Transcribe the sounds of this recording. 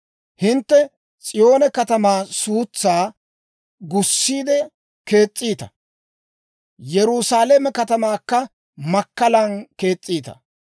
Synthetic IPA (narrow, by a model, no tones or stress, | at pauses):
hɪnt̪ːɛ | t͡sʼɪjo̞ːnɛkɐt̪ɐmaːsuːt͡sːaː | ɡʊsːiːd̪ɛ | ke̞ːt͡sʼːiːt̪ɐ̥ | jɛɾʊsaːlɐmɛkɐt̪ɐmaːkːɐ | mɐkːɐlɐnke̞ːt͡sʼːiːt̪ɐ̰